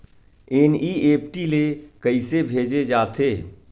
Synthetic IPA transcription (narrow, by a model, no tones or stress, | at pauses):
eːniːeːpʈilekəɪsebʱeːd͡ʒed͡ʒaːt̪ʰeː